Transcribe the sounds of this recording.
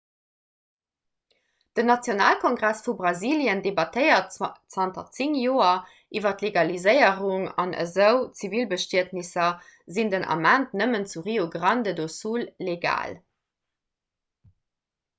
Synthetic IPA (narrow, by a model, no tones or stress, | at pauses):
d̥ənɑt͡sjonaːlkʰoŋɡʁæsfubʁɑziːljəndebɑtʰəɪɐtt͡sɑntɐt͡siŋjoːɐ | ʔivɐtleɡɑlizəɪəʁuŋɑ̰nʔə̰zəʊt͡sivilbəʃtiətnisɐzindənʔɑ̰mæntnəmənt͡suʁioɡʁɑndədosuːlːeɡa̰ːl